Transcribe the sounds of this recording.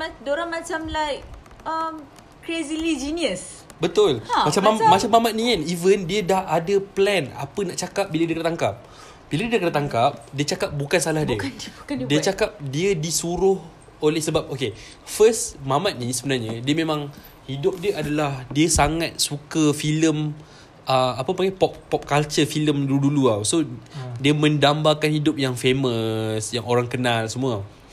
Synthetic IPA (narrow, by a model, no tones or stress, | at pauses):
adoɾãŋmat͡ʃamlajk̚ | əm | kɾezilid͡ʒiniəs | bət̪ʊlmat͡ʃamamat͡ʃamːamat̪̚nianivəndiədahadaplɛna̰pənaʔt͡ʃakap̚biladiəkədat̪aŋkap̚ | b̥iladiəkədat̪aŋkap̚diət͡ʃakap̚bukansalahdiəudiət͡ʃakap̚diədisuɾʊh | olɛhsəbap̚oke | fəsmãmat̪̚nĩsəbənarɲədiəmẽmãŋ | hidʊp̚diəʔadalahdiəsaŋat̪̚sukəfiləm | ʔəapəpaŋɡapɔp̚pɔp̚kalt͡ʃəfiləmduduluawsodiəmə̃ndambakanhidʊp̚jaŋfeməsjaŋoɾaŋkənalsəmũaw